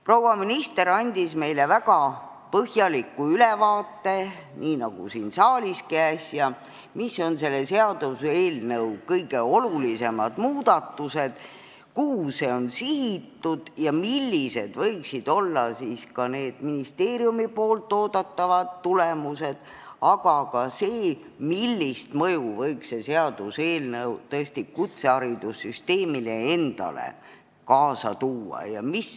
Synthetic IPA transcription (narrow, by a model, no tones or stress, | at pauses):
prowɑminist̪e̞ɾɑnʲd̪̥isme̞jlevæɡ̥ɑ | pɤhjɑlikːuylevɑːt̪ːˑe̞niːnɑɡ̥ṵsiːnsɑːlʲiskæːsjɑ | misːo̞nse̞lːese̞ɑd̪̥use̞ːlnəwkɤjɡe̞o̞lulise̞mɑ̰d̪̥muːd̪̥ɑt̪ːuse̞d̪̥ | kuːse̞o̞nsihit̪ːud̪̥jɑmilːise̞d̪̥vɤ̞jksid̪̥o̞lːɑsiːskɑne̞ːd̪̥minist̪e̞ːɾjumipo̞ːlt̪ˑːo̞ːd̪̥ɑt̪ːɑvɑd̪̥ːulemuse̞d̪̥ | ɑɡ̥ɑkɑse̞ː | milːist̪mɤjuvɤjkse̞seɑd̪use̞ːlnewt̪ɤest̪ikut̪se̞ɑɾid̪usːyst̪e̞ːmile̞e̞nd̪̥ɑ̰lḛ | kɑːsɑt̪uːɑ̰jɑ̰mis